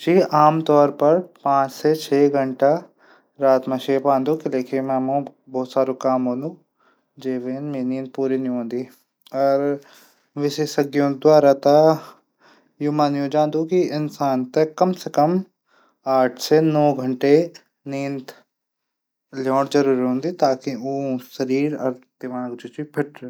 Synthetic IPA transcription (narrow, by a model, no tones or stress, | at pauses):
d͡ʒiːʔaːmt̪ɔːɾpɐɾpãːt͡ʃset͡ʃʰeːɡʱɐɳʈa | ɾaːt̪mẽʃeːpãːnd̪ukileːkʰemɛ̃ːmõbɔːt̪saːɾõkaːmɦõːnd̪ũ | d͡ʒeːʋeːnmẽːnĩːnt̪̚puːɾiniõːnd̪iː | ɔːɾ | ʋɪʃeːʃɐɡjõd̪waːɾat̪a | juːmãːnjõd͡ʒãːnd̪ukiɪnsaːnt̪ekɐmsekɐm | aːʈʰsenɔːɡʱɐ̃ɳʈe | niːnt̪ | ljoːɽzɐɾuːɾiɦõːnd̪it̪aːkiuːʃɐɾiːɾɐɾd̪̥ɪmaːɡd͡ʒʊt͡ʃipʰɪʈɾ